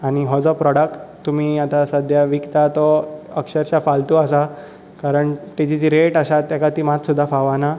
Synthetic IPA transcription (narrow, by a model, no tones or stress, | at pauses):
añiɦɔd͡zɔpɾɔɽək̚ʈt̪ːum̤iːat̪asəd̪ʱjaʋikt̪at̪ɔəkʂəɾɕafalt̪uasa | kaɾəɳʈ̪it͡ɕid͡ʑiɾeʈaɕat̪jakat̪iːmat̪sud̪ʱːafaʋana